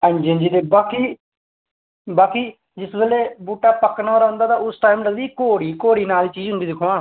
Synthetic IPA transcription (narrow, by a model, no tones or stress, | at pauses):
ə̃nd͡ʒend͡ʒiːd̪eːbaːkiː | baːkiː | d͡ʒɪsbeːleːbuːʈːaːpəknaːoːɾaɦʊ̃nd̪aːt̪aːʊsʈaːimləɡd̪iːkoːɽiːkoːɽiːnaːliːt͡ʃiːd͡ʒɦʊ̃nd̪iːd̪ɪkʰoãː